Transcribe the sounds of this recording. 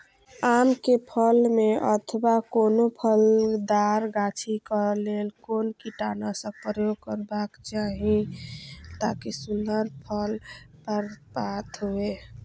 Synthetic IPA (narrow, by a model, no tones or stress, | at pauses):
amkepʰəlmeʔət̪ʰəbakonopʰəld̪aɾɡat͡ʃʰikəlelkonkiʈanasə̃pəjoɡkəɾbakt͡ʃaɦi | t̪akisunəɾpʰəlpəɾpat̪ɦoe